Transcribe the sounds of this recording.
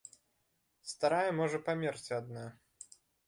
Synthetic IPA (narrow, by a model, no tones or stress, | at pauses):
st̪aɾajɛmɔʐɐpamʲɛrt͡sʲad̪na